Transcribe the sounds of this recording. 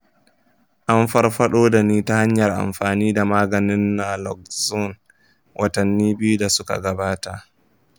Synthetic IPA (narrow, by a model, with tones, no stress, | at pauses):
ʔa˦mfa˦ɾɸa˦ɗoː˦da˨niː˦ta˦ha˦ɲjɐ˨ɾʔa̰˨mɸaː˨niː˦da˨maː˦ɡɐ˨nɪ˦nːa˨lɔ˨k̚zɔ˦n | wʔa˨ta˨nːiː˦bɪ˦ju˦da˨sʊ˦ka̰˨ɡɐ˨baː˦ta˨